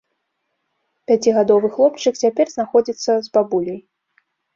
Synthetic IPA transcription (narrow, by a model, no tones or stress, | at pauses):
pʲat͡sʲiɣad̪ɔvɨxlˠɔpt͡ʂɨkt͡sʲapʲɛrznaxɔd͡zʲit̪sːɐzbabulʲɐj